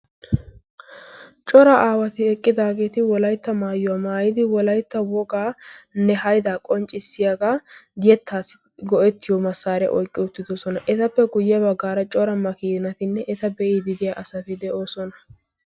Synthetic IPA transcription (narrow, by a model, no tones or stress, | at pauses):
t͡ʃʼɔɾɐʔaːwɐt̪ɪɛkʼːɪd̪aːɡe̞ːt̪ɪwɔlɐjt̪ːɐmaːjʊwamaːjɪd̪ɪwɔlɐjt̪ːɐwɔɡaːnːɛhɐjd̪aːkʼɔnt͡ʃʼːɪsːɪjaɡaːd̪ɪjɛt̪ʰːaːsɪ̥ | ɡɔʔɛt̪ːɪjɔmɐsːaːɾɛ̰ʔɔjkʼːɪʊt̪ːɪd̪ɔsɔnɐʔɛt̪ɐpːɛɡʊjːɛbɐɡːaːɾɐt͡ʃʼɔɾɐmːɐkiːd̪ɪnɐt̪ɪnːɛʔɛt̪ɐbɛʔiːd̪ɪd̪ɪjaʔɐsɐt̪ɪd̪ɛʔoːsɔnɐ